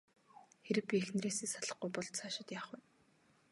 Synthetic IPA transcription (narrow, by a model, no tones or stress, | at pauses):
xeɾɘ̆k̚pʲiexn̆reːsiːsaɮə̆χɡujpɔɮt̪t͡sʰaːʃɪ̆t̪jaːχwʊ